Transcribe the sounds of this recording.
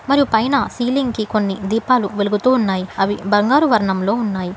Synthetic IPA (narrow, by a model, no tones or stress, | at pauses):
mɐɾijupɐjnɐsiːliŋɡkiko̞nːid̪iːpaːluʋeluɡut̪uːnːaːjiɐʋibɐŋɡaːɾuʋɐɾɐɳɐmlo̞ːunːaːji